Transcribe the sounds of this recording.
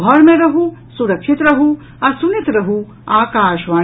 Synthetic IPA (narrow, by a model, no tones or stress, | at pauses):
ɔɾmẽɾɐɦusuɾɐkʃit̪ɾɐɦu | ɐsunit̪ɾɐɦu | aːkaːʃʋaː